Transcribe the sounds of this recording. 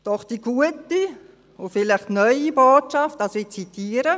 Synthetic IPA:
d̥ɔχd̥iɡuəti | ʊfɪlɪχtnœʏiboːtʃɑftɑsɪt͡sitʰiːəɾə

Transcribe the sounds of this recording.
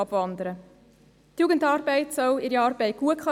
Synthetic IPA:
ɑb̥ʋɑnd̪əɾə | tjuːɡəndɑːɾbɛɪtsœwɪɾiɑːɾbɛɪt̚ɡ̥uəkχl

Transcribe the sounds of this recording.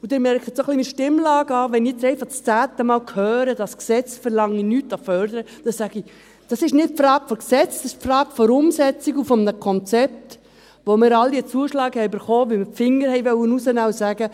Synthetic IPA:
ud̥̪ɪɾmɛɾkʰət̪sɔχlimiʃtɪmlɑːɡəɑːʋɛnijɛt͡sɛɪfɑχt͡st͡sæːt̪əmɑːlkʰhœːɾəd̥ɑsksɛt͡sfəɾlɑŋinytɑfœɾdəɾə | d̥ɑssæɡ̥i | d̥ɑsɪʃnɪt̚pfɾɑːɡ̥fɔksɛt͡sdɑsɪʃpfrɑːɡ̥fɔɾʊmsɛt͡siɡufɔmnəkʰɔnt͡sɛp̚t | ʋomɪːɾɑldiət͡suəʃlɑːɡhɛjbəɾχɔːʋɪmɪpfɪŋəɾhɛɪʋœwənusənɑwsæːɡə

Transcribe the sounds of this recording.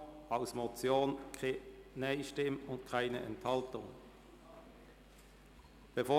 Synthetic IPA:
aʊsmot͡sjoːnkʰnaɪʃtɪmʊntkʰʁaɪnəʔɛ̰nthɑltʊŋ | b̥efoː

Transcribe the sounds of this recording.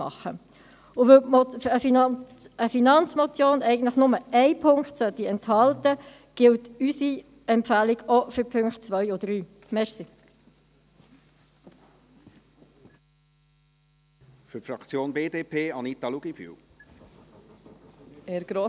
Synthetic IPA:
ɑ̰χə | ʊvøə | əfinɑnt͡smɔt͡sjoːnɛɪɡən̩t̪ləχnʊməɛɪpʰʊŋktsœt̪ːiɛnthɑltə | ɡ̥ɪltysi | ɛmpfæːliɡɔfʏpʰʏŋktt͡sʋœʏɔd̥ɾyː | mɛʁsi | fʏɾtfɾɑkt͡sjoːnbeːdeːpʰeːɑnit̪ɑluɡ̥ib̥y̰w | eɾɡ̥ɾo

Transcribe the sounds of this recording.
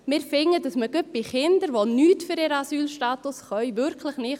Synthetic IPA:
mɪːɾfɪŋːədɑsməɡøp̚b̥ɪχɪndəɾʋonyːtfʏɾɪɾəɑsyːlʃtaːt̪ʊsχœʏʋʏɾkʰləχnɪ

